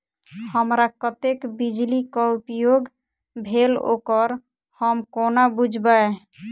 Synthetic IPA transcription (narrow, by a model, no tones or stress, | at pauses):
həmɾakət̪ekbid͡ʒlikɔupjoɡ | bʱelo̰kəɾ | həmkonabud͡ʒʱbae